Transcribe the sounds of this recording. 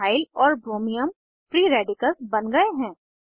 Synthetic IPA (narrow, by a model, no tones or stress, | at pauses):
aːɪlɔːɾbɾoːmijəm | fɾiːɾɛːɖɪkəlzbɐnɡɐeɦɛ̃ː